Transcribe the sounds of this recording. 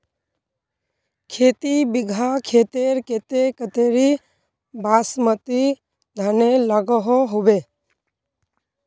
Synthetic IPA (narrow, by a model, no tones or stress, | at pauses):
kʰeːt̪ibɪɡʱakʰeːt̪eɾket̪ekət̪eːɾi | baːsmət̪i | d̪ʱənelaɡəɦoɦoʋe